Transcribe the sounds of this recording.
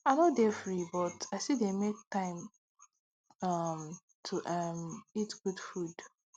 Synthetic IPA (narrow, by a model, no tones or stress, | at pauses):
aɪnɔdɛfɹibɔtaɪsidemek̚tãɪ̃m | ʌm | tʰuʔʌmitɡ̥udfud̥